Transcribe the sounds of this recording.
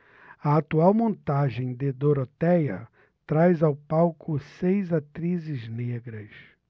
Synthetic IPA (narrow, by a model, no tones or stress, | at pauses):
ɐat̪uawmõnt̪aʒẽj̃d̪ɪd̪oɾot̪ɛjɐ̰ | t̪ɾajzawpawkʰʊsejzat̪ɾizɪzneɡɾɐs